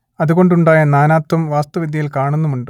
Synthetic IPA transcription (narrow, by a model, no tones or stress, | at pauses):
ɐðuɣo̞ɳɖuɳɖaːjɐnaːnaːt̪wɐmʋaːst̪ɐʋid̪ʱjɐjilkaːɳunːumuɳɖɨ